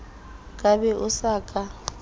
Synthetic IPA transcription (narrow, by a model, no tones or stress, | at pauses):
kʼabɛʔʊsaːkʼa